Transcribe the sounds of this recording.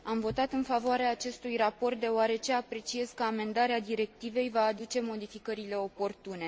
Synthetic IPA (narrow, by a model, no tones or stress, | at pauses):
amvo̞t̪at̪ɨnfavoaɾeaːt͡ʃe̞st̪ujrapo̞rt̪̚d̪e̞oaɾe̞t͡ʃe̞apɾe̞t͡ʃie̞skəame̞nd̪aɾead̪iɾe̞k̚t̪ive̞jvaːd̪ut͡ʃe̞mo̞d̪ifikəɾile̞o̞po̞rt̪une̞